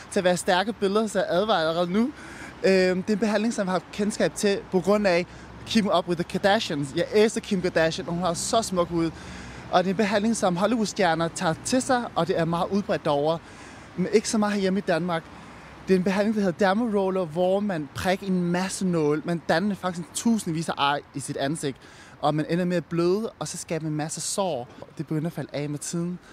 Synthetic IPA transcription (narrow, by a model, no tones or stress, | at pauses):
t͡sʰe̝æʋæːɐsd̥æɐɡ̥əb̥e̝ləðˠɐsɒæʔæðˠʋɑ̈ɪllɐʁɛːð̩ˠnu | ød̥e̝e̝nb̥e̝ɦæn̰le̝ŋsɒ̽mjehɑfkʰensɡ̥ɛ̰ːb̥̚t͡sʰe̝pʰɒ̽ɡ̥ʁɔ̽n̰æ | kʰib̥eŋɒ̽b̥we̝ðˠəkʰæd̥æɕənsjɑ̈ɪʔeːsɐkʰimkʰæd̥æɕənɒhunhɑ̈sɒ̽smɔ̽ɡ̥huð̞̰ˠʔɒ̽d̥e̝e̝nb̥e̝ɦæn̰le̝ŋsɒ̽mɦɒ̽liusd̥jæɐnɐt͡sʰɑ̰̈ːt͡sʰe̝sɑ̈ɪʔɒ̽d̥e̝æɐmɑ̈ːð̩ˠuð̞ˠb̥ʁɛd̥ɒʊɐ | mene̝ɡ̥əsɒ̽mɑ̈ːð̩ˠhæɐjeməid̥ænmɑ̈ːɡ̥ | d̥e̝ɐe̝nb̥e̝ɦænle̝ŋd̥ɑhe̝ð̞̩ˠd̥æɐmoʁɔːlɐʋɒmænpʰʁɛɡ̥ɐe̝nmæsənɔ̽ːlmænd̥ænɐdefɑ̈ɡ̥i̥st͡sʰṵːsn̩ʋḭːsɐʔɑ̈ɪ̰isid̥ænse̝ɡ̥d̥ | ʔɒ̽mænʔenɐmeæb̥løːðˠəɒ̽sɒ̽sɡ̥ɛːb̥mæenmæsəsɒ̰ːd̥e̝b̥eɡ̥øn̰̥æfæləʔɛ̰ːmet͡sʰið̞ˠn̩